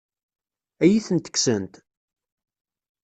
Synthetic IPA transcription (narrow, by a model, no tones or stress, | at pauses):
æjiθənt̪ə̥ksənt̪